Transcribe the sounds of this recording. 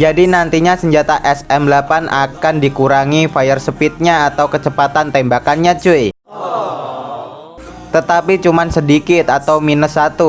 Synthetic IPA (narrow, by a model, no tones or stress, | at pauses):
d͡ʒadinant̪iɲasəɲd͡ʒat̪aʔɛsɛmlapanʔakandikuɾaŋifajərsəpɪt̪̚ɲaːt̪awkət͡ʃəpat̪ant̪ɛmbakanɲat͡ʃuɪ | t̪ət̪apit͡ʃumansədikɪt̪at̪awminəsat̪u